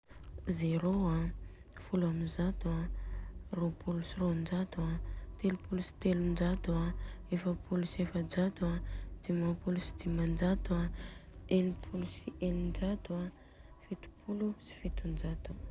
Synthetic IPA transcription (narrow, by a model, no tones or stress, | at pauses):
zeɾoa | fulamizat̪ua | ropʰulusiɾond͡ʒat̪uat̪elupulusi̥t̪elund͡ʒat̪uaefəpʰulusefəd͡ʒad̪uad̪̥imapulusi̥d̪imand͡ʒat̪ua | enipʰulusiʔenind͡ʒat̪ua | fit̪u̥pʰulusi̥fit̪und͡ʒat̪u